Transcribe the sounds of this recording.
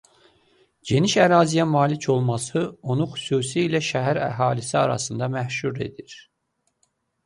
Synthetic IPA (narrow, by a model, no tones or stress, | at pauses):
ɟe̞niʃæɾɑːzijæmɑːlicʰo̞lˠmɑsɯo̞nuxy̥suːsiilæʃæɦæɾæ̰ɦɑːlisiɑ̰ɾɑ̰sɯnd̪ɑmæhʃuɾe̞̰d̪iɾ